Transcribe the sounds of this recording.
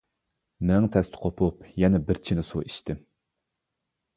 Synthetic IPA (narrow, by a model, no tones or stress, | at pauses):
mɪnɪŋt̪ʰɛst̪ʰɪ̥qʰopʰʊpjɛnɛbɪɾt͡ʃʰinɪsuiʃt̪ʰɪm